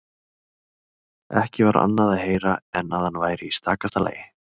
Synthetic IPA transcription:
ɛhcɪvaɾa̰nːaðaðheːjɾaɛnaðhanvaːjɾɪist̪aːkast̪ala̰ːjɪ

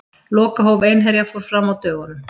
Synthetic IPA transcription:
lɔːkaɦowvejnɦɛɾjafɔɾ̥fɾamawt̪œːɣʏnʏm

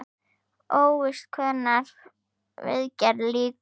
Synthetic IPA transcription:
oːwʏst̪kʰvœːnaɾ | vɪ̰ðcaɾliːk

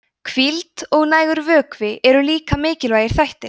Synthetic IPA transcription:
kʰvilt̪ɔɣnaːjɣʏɾvœːkvɪʔɛɾʏliːkamɪːcɪlvaːjɪɾ̥θajht̪ɪ̥

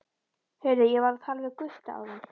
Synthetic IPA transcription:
hɛɥɾðɪjɛvaɾθalvɛðkʏst̪aa̰wðan

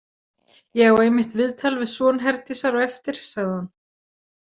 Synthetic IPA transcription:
jɛɣɔwejmɪht̪vɪðt̪ʰalvɪsɔːnɦɛɾt̪ɪsaɾɔwɛft̪ɪɾ̥saɣðɪhan

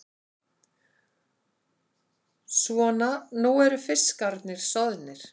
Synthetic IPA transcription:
svɔːnanuɛɾʏfɪ̥skaɾt̪nɪɾ̥sɔðnɪɾ̥

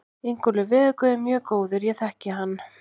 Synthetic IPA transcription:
ejŋkʏlʏvɪːðʏkʏðɪmjœːkoːwðɪɾjɛθɛhcɪɦanː

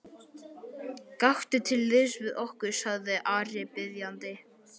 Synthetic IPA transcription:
kaht̪ɪt̪ʰɪlːɪðsvɪðɔhkʏɾ̥saɣðɪʔaːɾɪpɪðjant̪ɪ

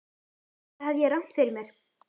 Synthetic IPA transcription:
havjɛɾœwn̥t̪fɪɾɪɾmjɛɾ̥

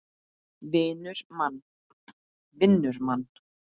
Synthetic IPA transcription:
vɪːnʏɾ̥man | vɪnːʏɾman

